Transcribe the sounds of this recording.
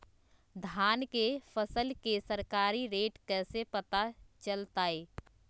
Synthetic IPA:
d̪ʱaːnkefʰəsəlkesəɾkaːɾiɾeːʈkɛːsepət̪at͡ʃəlt̪aːeː

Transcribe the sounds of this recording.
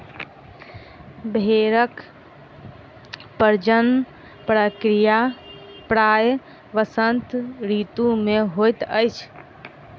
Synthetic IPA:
bʱeɾək | pəɾd͡ʒən | pɾəkɾija | pɾaj | ʋəsənt̪ɾit̪ũmeɦojt̪əjt͡ʃʰ

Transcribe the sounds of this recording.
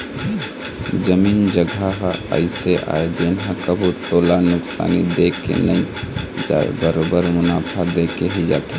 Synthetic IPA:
d͡ʒəmiːnd͡ʒəɡʱaɦə̰ɪseʔa̰ːed͡ʒenɦə̃kəbʱut̪oːlanʊksa̰ːnid̪ekḛnəĩ | d͡ʒa̰ḛbəɾobəɾmʊnaːpʰad̪ekeɦid͡ʒa̰ːt̪e

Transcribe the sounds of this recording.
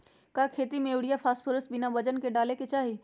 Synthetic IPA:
kakʰeːt̪imeʊɽijapʰaːsʈpʰoɾəs̚binabəd͡ʒənkeɖaleket͡ʃaːɦi

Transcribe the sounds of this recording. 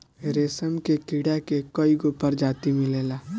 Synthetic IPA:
ɾeːsəmkekiːɽakekoiɡopəɾd͡ʒaːt̪imɪleːlaː

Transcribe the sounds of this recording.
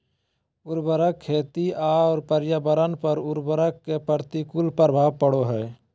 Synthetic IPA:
ʊɾbəɾəkʰːeːt̪iaːɔːɾpəɾjaːbəɾənpəɾʊɾbəɾəkːepəɾt̪ikʊlpəɾbʱaːʋpəɽoɦɛː

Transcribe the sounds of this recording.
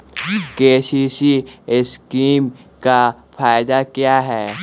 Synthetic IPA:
keːʃiːsiɪskiːmka | fʰaːɪd̪akjaːɦɛː

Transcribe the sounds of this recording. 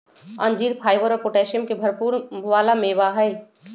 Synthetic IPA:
ɐ̃nd͡ʒiːɾpʰaːɪʋəɾɔːɾpoːʈɛːʃəmkebʱɐɾpuːɾnʋaːlamẽːʋaɦəi

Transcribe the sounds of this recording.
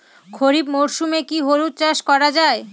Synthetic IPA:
kʰoɾibmoɾʃumekiɦoɾut̪̚ːt͡ɕaʃkɔɾad͡ʑae

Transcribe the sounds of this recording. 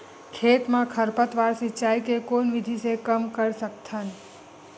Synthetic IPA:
kʰet̪mãkʰəɾpət̪ʋaɾsit͡ʃajkekonʋid̪ʱisekəmkəɽsəkt̪ʰən

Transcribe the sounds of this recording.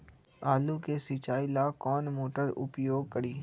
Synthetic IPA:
aːlukesɪt͡ʃaːilaːkɔːnmoːʈəɾʊ̰pjoːɡ̚kəɾiː

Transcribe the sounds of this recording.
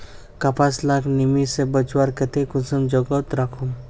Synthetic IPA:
kapaslaknimisebət͡ʃwaɾkət̪ekusəmd͡ʒɔɡɔt̪ɾakʰum

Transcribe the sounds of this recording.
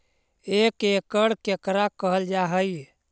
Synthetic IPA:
ekekəɽkekɾakəɦəld͡ʒaɦəj

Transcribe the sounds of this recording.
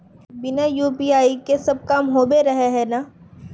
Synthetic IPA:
bɪnajuːpiːaːikesɐb̚kaːmɦoːbeɾɐɦeɦɛnaː

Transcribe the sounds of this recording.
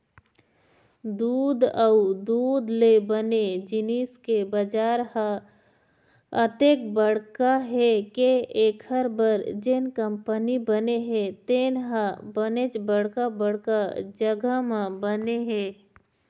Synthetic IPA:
d̪uːd̪aud̪uːd̪lebəned͡ʒɪniːskebəd͡ʒaːɾhə̃ | ət̪eːkbəɽkaɦekeeːkʰəɾbəɾd͡ʒenkəmpənibəneɦet̪eːnɦə̃bənet͡ʃbəɽ̤kabəɽ̤kad͡ʒəɡʱəmə̃bəneɦeː

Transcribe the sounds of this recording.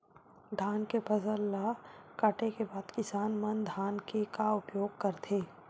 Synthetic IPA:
ɖʱaːnkepɐzəlːakɐʈekebaːd̪kɪsaːnmənd̪ʱaːnkekaʊpjoːɡ̚kɐɾt̪ʰeː

